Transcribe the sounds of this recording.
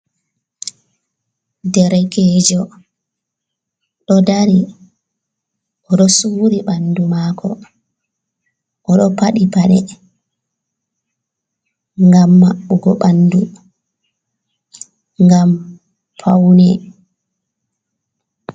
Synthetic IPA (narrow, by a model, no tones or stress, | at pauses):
dɛɾɛɡɛd͡ʒɔ | ɗɔdaɾi | ʔɔɗɔsuɾiɓandumakʰɔ | ʔɔɗɔpaɗipaɗɛ | ŋɡamːaɓːuɡɔɓandu | ŋɡam | pʰawnɛ